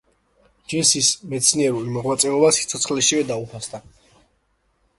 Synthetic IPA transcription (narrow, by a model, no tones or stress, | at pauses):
d͡ʒɛsismɛt̪sʰniɛɾulimɔʁmat̪sʼɛɔbasit̪sʰɔt̪sʰχlɛʃivɛd̪aupʰasd̪a